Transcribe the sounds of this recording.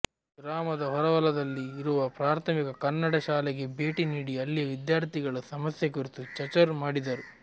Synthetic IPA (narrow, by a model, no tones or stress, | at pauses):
ɡɾaːmɐd̪ɐɦɔɾɐʋɐlɐd̪ɐlːiːɾuʋɐpɾaːɾt̪ʰɐmikɐkɐnːɐɽɐʃaːlɛɡe̞be̞ːʈiniːɽiɐlːijɐʋid̪jaːɾt̪ʰiɡɐɭɐsɐmɐsjekuɾit̪ut͡ʃɐt͡ʃɐɾmaːɽid̪ɐɾu